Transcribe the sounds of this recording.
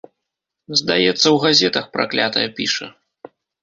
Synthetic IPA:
zd̪ajɛt̪sːɐwɣazʲɛt̪ɐxpɾʔa̰klʲat̪ɐjɐpʲiʂɐ̰

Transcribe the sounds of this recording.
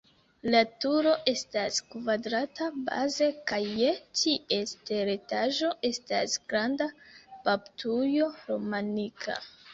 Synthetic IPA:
latuɾo̞ʔe̞staskvadɾataba̰ze̞kajːetʰie̞ste̞ɾetaʒo̞ʔe̞sta̰sɡ̥ɾandapaptʰujo̞ɾo̞manikʰa̰

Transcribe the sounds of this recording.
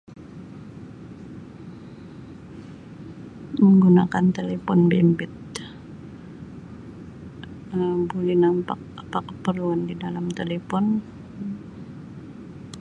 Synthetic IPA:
məŋɡunakant̪elefɔnbɛmbɛt̪̚ | əbulinampa̰k̚apakːəpərluandidalamt̪elefɔn

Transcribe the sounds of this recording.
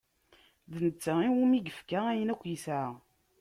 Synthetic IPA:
ðənət͡sːaiwumiɡəfkaæjənækʷːjisʕa

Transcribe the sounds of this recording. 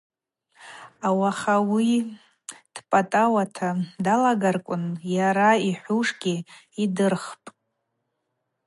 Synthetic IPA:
awaχawi | d̥pʼatʼawatʰadalaɡarkʷʼʊnjaɾaiħʷuʂɡʲi | idɨrχpʼ

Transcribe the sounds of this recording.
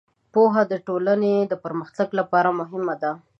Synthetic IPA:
poɦad̪əʈolaned̪əpəɾməxt̪aɡlapɑɾamʊɦɪmad̪a

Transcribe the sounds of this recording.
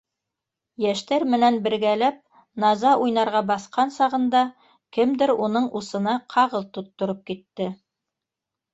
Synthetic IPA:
jæʃt̪æɾmɘ̆nænbɘ̆ɾɡælæp̚ | nɑzɑʔujnɑɾʁɑbɑθqɑnsɑʁɤ̆nd̪ɑ | kɘmd̪ɘɾunɤɴusɤ̆nɑqʰɑʁɤlˠt̪ut̪ːŏɾɤp̚kit̪ːɘ

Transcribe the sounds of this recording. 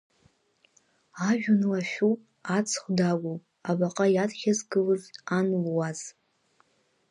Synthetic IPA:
aʒᶣʊnlaʃᶣupʼ | at͡sʰχʷdaɡʷopʼabaqʼajatχʲazɡɨlɨzanlwaz

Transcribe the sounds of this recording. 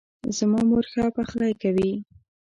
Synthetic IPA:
zmɑmoɾxapaxlajkawi

